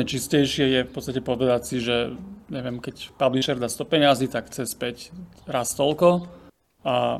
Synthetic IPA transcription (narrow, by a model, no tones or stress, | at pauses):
t͡ʃiscɛjʃɪɛjɛfpɔtt͡sst̪acɛpɔʋɛd̪acsiʒɛɲɛʋɪɛmkɛcpabliʃɛɾd̪ast̪ɔpɛɲɪazit̪akxt͡sɛspɛcɾast̪ɔlkɔ | a